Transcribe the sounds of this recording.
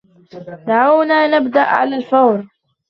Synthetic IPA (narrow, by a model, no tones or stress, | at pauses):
d̪aʕawnaːnabd̪aʔʕa̰laːlfawɾ